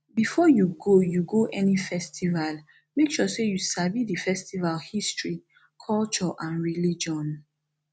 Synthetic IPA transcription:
bifɔjuɡojuɡoʔɛnifɛstʰival | mekʃɔsejusabidifɛstivalhistʰɹi | kʰɔlt͡ʃɔʔãnɹilid͡ʒɔ̃n

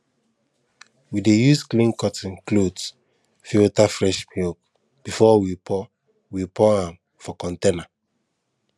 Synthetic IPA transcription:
widejusklĩnkɔtĩnklods | fiotafɹɛʃmjok | b̥ifɔwipʰɔ | wipɔãm | fɔkɔ̃ntena

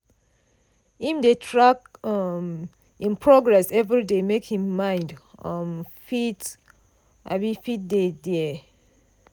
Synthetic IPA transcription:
ĩmdetʰɹakɔm | ĩnpʰɹɔɡɹɛsɛvɹidemekhĩmːãɪ̃ndʌmfit | ʔabĩfit̚dedɛ

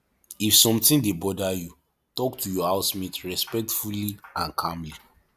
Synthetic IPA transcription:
ifsɔ̃mtĩndebɔdaju | tɔktʰujɔhaʊsmitɹɛspɛk̚tfuliãnkʰãmli

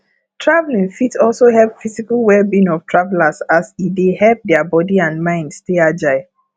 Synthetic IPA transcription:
tʰɹavlĩŋfitsɔlˠsohɛlpfizikalwɛlbĩnɔftʰɹavlasasidehɛlp̚dɛəbɔdiãnmãɪ̃ndstead͡ʒaɪ

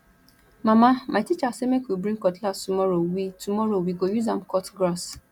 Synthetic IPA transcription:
mãmamʔaɪtit͡ʃasemekwibɾĩŋkɔtlastumɔɾowitumɔɾowiɡojuzãm̩kɔtɡɾɔs

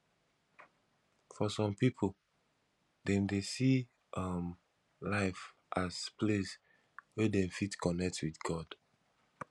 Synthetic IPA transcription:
fɔsɔ̃mpipʰol | dɛ̃mdesi | ʔʌm | laɪf | ʔaspʰles | wɛdɛ̃mfitkʰɔnɛk̚twiθɡɔd̥

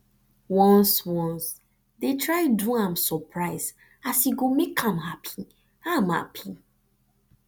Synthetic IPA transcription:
wɔ̃nswɔ̃ns | detʰɹaɪduãmsɔpʰɹaɪzd | asiɡomekʰãmɦapʰi̥ | ãmha̰pʰi

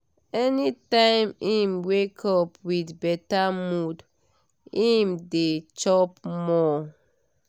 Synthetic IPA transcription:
ɛnitãɪ̃mĩmwekʰɔpwidbɛtamud | ĩmdet͡ʃɔpmɔ

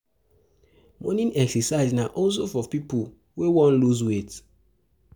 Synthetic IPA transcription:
mɔnĩnɛksɛsaɪznaʔɔls̬ofɔpipu | wewɔ̃nluswet

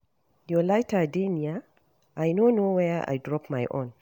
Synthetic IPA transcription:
jolajtadenia | ʔajnonowɛa̰jdɹɔpmajʔõn

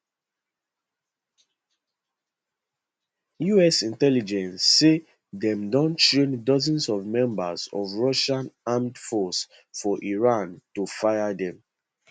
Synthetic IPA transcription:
juɛsĩntɛlid͡ʒɛ̃nsːe | dɛ̃mdɔ̃nt͡ʃẽndɔzɔ̃nsɔvmɛ̃mbazɔ̰vɹɔʃãnamdfɔs | fɔʔiɹãntufaɪadɛ̃m

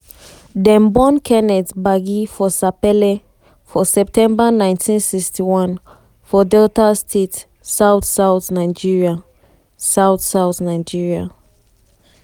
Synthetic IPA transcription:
dɛ̃mbɔ̃nkʰɛnɛtbaɡifɔsapɛle | fɔsɛp̚tʰɛ̃mbanãɪ̃ntʰĩnsikstiwɔ̃n | fɔdɛltastʰet | saʊtsaʊθnaɪd͡ʒiɹia | saʊθsaʊθnaɪd͡ʒiɹia

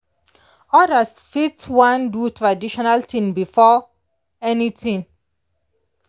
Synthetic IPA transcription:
ɔdasfitwãndutʰɹadiʃɔnaltʰĩmbifɔ | ɛnitʰĩn

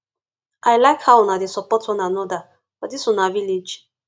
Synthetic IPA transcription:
ʔajlajkhawnadisɔpɔtɔnanɔda | fɔdisɔnavilid͡ʒ

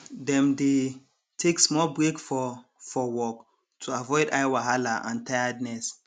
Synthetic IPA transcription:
dɛ̃mde | tʰeksmɔlbɹekfɔ | fɔwɔk | tʰuavɔɪdajwaɦalaʔã̰ntʰajadnɛs

